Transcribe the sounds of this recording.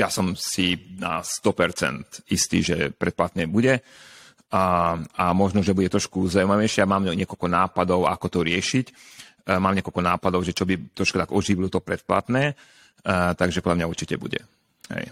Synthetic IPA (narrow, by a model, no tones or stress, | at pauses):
jasɔmsina̰st̪ɔpɛɾt͡sɛ̰nt̪ist̪ḭːʒɛ̰pɾɛt̪̚plat̪nɛːbuɟɛ | amɔʒnɔʒɛbuɟɛt̪ɾɔʃkuzaumaʋɛjʃɪɛamaːmɲɪɛkɔlkɔnaːpad̪ɔʊa̰kɔt̪ɔɾɪɛʃicmaːmɲɪɛkɔlkɔnaːpad̪ɔʊʒɛt͡ʃɔbit̪ɾɔʃkut̪aɡɔʒiʋilɔt̪ɔpɾɛt̪̚pla̰t̪nɛː | t̪aɡʒɛpɔd̪lamɲauɾt͡ʃicɛbṵɟɛ̰ | ɦɛ̰j